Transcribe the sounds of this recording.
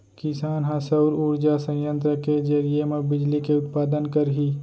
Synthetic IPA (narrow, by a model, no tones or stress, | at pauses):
kɪsaːnɦãsɐʊɾuːɾd͡ʒasɐ̃jjə̃nt̪ɾəked͡ʒɐɾijemɐɡ̚bɪd͡ʒlikeʊt̪paːd̪ənkɐɾɦiː